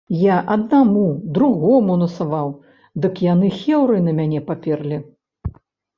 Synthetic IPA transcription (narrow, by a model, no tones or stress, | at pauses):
jaʔɐd̪̚namud̪ɾuɣɔmunɐsavaw | d̪ɨkjan̪ɨxʲɛwɾɨnɐmʲanʲɛpapʲɛrlʲi